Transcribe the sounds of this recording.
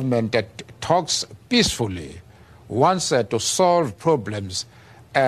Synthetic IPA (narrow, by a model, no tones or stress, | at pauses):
vmɛ̃nttʰɔkspisfulḭ | wãnsɛtusɔlvpʰɹɔblɛ̃mz | ɛ